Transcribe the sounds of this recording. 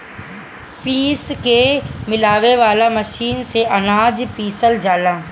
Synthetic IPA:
piːskemɪlaːʋeʋaːlamɐʃiːnseʔɐnaːd͡ʒpiːsəld͡ʒaːlãː

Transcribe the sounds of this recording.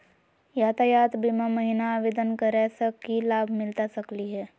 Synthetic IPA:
jaːt̪ajaːt̪biːmaməɦɪnaːʋeːd̪ənkəɾɛsəkːilaːbʱmɪlt̪asɐkliɦɛː

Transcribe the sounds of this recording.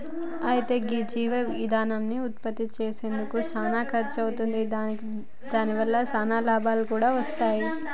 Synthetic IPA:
ɐjit̪e̞ːɡid͡ʒiːʋɐid̪ʱaːnɐmniut̪̚pɐt̪ːit͡ʃeːse̞ːnd̪ukusaːnaːkʰɐɾt͡ʃɐwut̪und̪id̪ | d̪aːniʋɐlːɐsaːnaːlaːbʱaːlukuːɽaːʋɐst̪aːji

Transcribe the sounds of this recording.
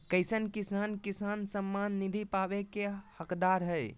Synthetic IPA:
kəjsənkisankisansəmːanːid̪ʱipabekehəkd̪aɾɦəj

